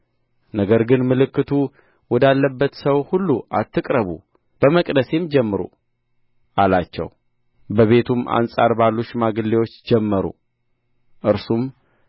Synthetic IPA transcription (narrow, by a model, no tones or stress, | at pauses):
nəɡəɾɡɨnmɨlɨkːɨt̪ʰu | wɔd̪alːəbːət̪səwhulːuʔat̪ːɨkʼɾəβṵ | b̥əməkʼd̪əse̞md͡ʒɛmːɨɾṵ | ʔalat͡ʃːɛ̰w | bəβe̞t̪ʰuma̰nsʼaɾbalːuʃmaɡɨlːewo̞t͡ʃːd͡ʒɛmːəɾṵ | ʔɨɾsum